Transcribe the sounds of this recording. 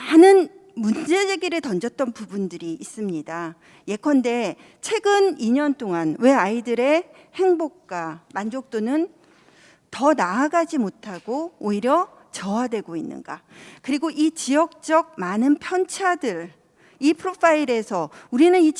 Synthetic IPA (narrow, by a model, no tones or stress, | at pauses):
manɯnmund͡ʑe̞d͡ʑeɡiɾɯtʌnd͡ʑʌt̚t͈ʌnpubundɯɾiːs͈ɯmɲida | je̞kʰʌnde̞ | t͡ɕʰwe̞ɡɯniɲʌnt͈oŋanwe̞aidɯɾe̞ | he̞ŋbok̚k͈wamand͡ʑok̚t͈onɯn | tʌnaːɡad͡ʑimotʰaɡoːiɾjʌ | t͡ɕʌwadwe̞ɡoinːɯ̰nɡa̰kɯɾiɡoʔit͡ɕijʌk̚t͡ɕ͈ʌɡ̚manɯnpʰjʌnt͡ɕʰadɯɭ | ipʰɯɾopʰaiɾe̞sʰʌuɾinɯni